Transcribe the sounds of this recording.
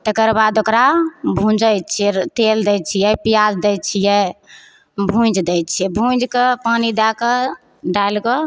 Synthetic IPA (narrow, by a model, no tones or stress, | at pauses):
t̪əkəɾbad̪okɾabʱũd͡ʒəjt͡ʃʰɛt̪eld̪ɛjt͡ʃʰijɛpijasd̪ɛjt͡ʃʰijɛ | bʱũd͡ʒd̪ɛtt͡ʃʰɛbʱũd͡ʒkepanid̪akə | ɖajlkɔ